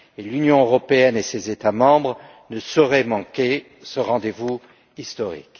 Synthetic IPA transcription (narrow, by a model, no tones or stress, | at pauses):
elynjɔ̃øʁɔpeɛnesezet̪amɑ̃bʁ | nəsɔʁɛmɑ̃ke | səʁɑ̃d̪evu | ist̪ɔʁḭk